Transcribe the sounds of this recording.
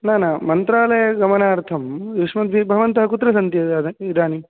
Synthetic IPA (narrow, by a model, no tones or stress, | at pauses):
naːnamɐnt̪ɾaːlɐjɐɡɐmɐnaːɾt̪ʰɐmʋiʂmɐt̪bʱibʱɐʋɐnt̪ɐɦɐkut̪ːɾɐsɐnt̪jɐd̪id̪aːni